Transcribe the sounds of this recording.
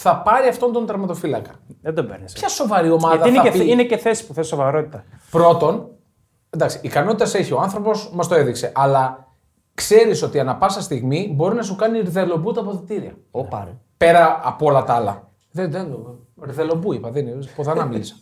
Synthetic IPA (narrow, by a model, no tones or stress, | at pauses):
θɐpɐɾiɐft̪o̞nt̪o̞nt̪ɐɾmɐt̪o̞filɐkɐ̥ðed̪obeɾspççɐso̞vɐɾio̞mɐðɐinɐineceθesi̥puθesovɐɾot̪i̥t̪ɐpɾo̞t̪o̞n | nd̪ɐksi̥ːkɐno̞t̪it̪ɐse̞çio̞ɐnθɾo̞po̞zmɐst̪o̞e̞ðikse̞ʔɐlɐ | kse̞ɾiso̞t̪iɐnɐpɐsɐst̪iɣmibo̞ɾinɐsukɐniɾðe̞lo̞but̪ɐpo̞ðit̪iɾiɐ̰ | ɾpe̞ɾɐɐpolɐt̪ɐlɐ̰ | ðenðen | ɾðe̞lo̞buipɐðinipoðɐnɐmilisɐ̥